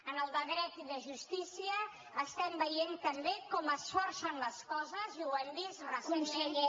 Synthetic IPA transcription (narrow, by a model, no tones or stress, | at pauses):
ənəlˠβəɣɾɛt̪iðəʒust̪isiəː | st̪ɛmbəjent̪əmbekɔməsfɔɾsənləskɔzəziwand̪isrəuns